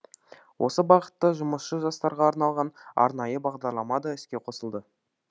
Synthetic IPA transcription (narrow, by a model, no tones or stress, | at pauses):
wʔo̞səbɑqə̥t̪ːəʒʊməsʃəʒɑst̪ɑɾʁɑːɾnɑlˠʁɑnɑ̰ɾnɑjəbɑʁd̪ɑɾlˠɑmɑd̪ɑʏskʲe̞qʰo̞səlˠd̪ə